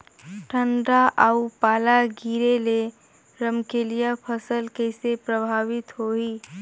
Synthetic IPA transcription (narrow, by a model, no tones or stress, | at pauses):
ʈʰə̃ɳɖaʔaupaːlaɡiːɾele | ɾəmkeːlijapʰəsəlkɛɪsepɾəbʱaːʋɪt̪ɦoiː